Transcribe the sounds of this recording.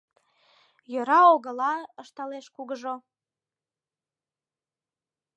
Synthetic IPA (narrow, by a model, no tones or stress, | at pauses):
jøɾɑoɣə̆lɑəʃt̪ɑleʃkuɣəʒo